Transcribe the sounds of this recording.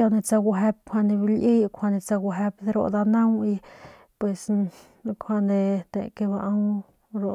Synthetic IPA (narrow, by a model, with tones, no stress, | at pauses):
a˧ne˧t͡sa˧ɡʷu˧ɦe˧p̚kʰʷa˧nd̪e˧bi˧lʔi˦jkʷʰa˧ne˧t͡sa˧ɡʷu˧ɦe˧pd̪e˧ɾo̰˧ʔd̪a˧na˦wi˧ | pwe˧s | kʰʷa˧nd̪e˧t̪ḛ˧˨ke˧βa˧ʔa˦w | ɾo˨